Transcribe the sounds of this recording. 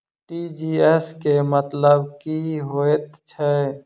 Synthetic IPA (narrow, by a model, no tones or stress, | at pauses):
ʈid͡ʒiɛskemət̪ləbkiɦoet̪t͡ʃʰɛ